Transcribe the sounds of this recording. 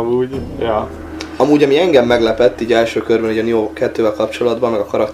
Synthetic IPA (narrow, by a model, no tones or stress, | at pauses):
muːɟjɒː | ɒmuːɟɒmiɛŋɡɛmːɛɡlɛpɛt̪ːiːɟɛlʃøːkørbɛniːɟɒnijokɛt̪ːøːvɛlkɒpt͡ʃo̞lɒd̪bɒmːɛɡɒkɒɾɒk